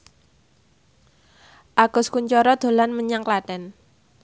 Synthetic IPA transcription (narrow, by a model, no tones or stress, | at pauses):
ʔaɡ̥ʊskuɲt͡ʃɔɾɔd̪̥o̤lanməɲaŋklaɖ̥ɛn